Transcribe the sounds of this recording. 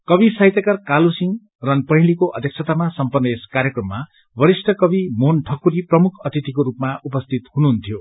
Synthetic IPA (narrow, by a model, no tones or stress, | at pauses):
kʌbisaɦjt̪ʌkʌrkalusiŋ | rʌnpʌɦilikoʔʌ̰d̪ʱek̚t͡sʰʌt̪amasʌmpʌnːʌeskaɾjʌkrʌmːa | bʌɾisʈʰʌkʌbimonʈʰʌkːuɾiprʌmukʰʌt̪it̪ikoɾupmaʔupʌst̪ʰit̪hunuɦunt̪ʰjo